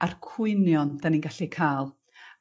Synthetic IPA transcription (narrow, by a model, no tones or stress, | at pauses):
arkʰwʊɨnjɔndaninɡaɬikʰaːlˠ